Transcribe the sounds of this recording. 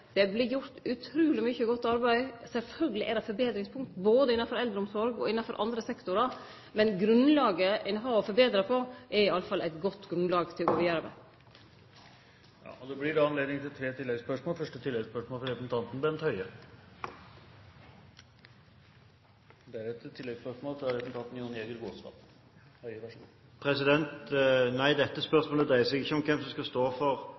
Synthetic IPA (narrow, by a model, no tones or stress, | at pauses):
d̪̥ɛblɪjʊɾt̪ʉt̪ʰɾʉːlɪmʏçəɡɔt̪ːɑɾbæɪsɛlfœlɡəlɪʔæɾɑfɔɾbeːd̪ɾɪŋspʰʊŋkt̪boːd̪əɪnːɑfɔɾɛld̪ɾəʊmsɔɾɡɔ̰ɪnːɑfɔɾʔɑ̰nd̪ɾəsɛkt̪ʊɾɑ | mɛnɡɾʉnlɑːɡəʔɛnɦɑːɔfɔɾbeːd̪ɾəpʰɔʔɛɾɪɑləfɑlʔæɪt̪ɡɔt̪ːɡɾʉnlɑːɡt̪ʰɪlɡoːʋɪjɾɑmæ̰ | jɑ̰ːʔɔd̪ɛblɪdɛɑnleːd̪ɪŋt̪ʰɪlt̪ʰɾeːt̪ʰɪlːɛɡspœʂmoːlfœʂʈət̪ʰɪlːɛɡspœʂmoːlfɔɾɛpəsn̩t̪ʰɑnt̪n̩bɛnt̪hœʏə | d̪ɛæɾɛt̪ʰːɪlːɛɡspœʂmoːlt̪ɪlɾɛpsn̩t̪ɑnt̪n̩juːneɡət̪ɡoːsʋɑ̰ːp | hœʏəʋæʂṵ | pʰɾɛs̬ɪd̪ɛnt̪næɪd̪ɛt̪ːəspœʁsmoːləd̪ɾæɪəsɛɡɪçːəɔmkʰɛmsɔskɑst̪oːfɔɾ